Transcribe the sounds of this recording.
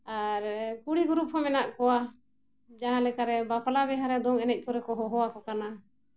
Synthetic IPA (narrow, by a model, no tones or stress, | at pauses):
aɾkuɽiɡuɾup̚hɔmɛnaʔkɔwa | d͡ʒaɦãlɛkaɾɛbapalabɛɦaɾɛd̪ɔŋɛnɛc̚ˀkɔɾɛkɔɦɔɦɔwakɔkana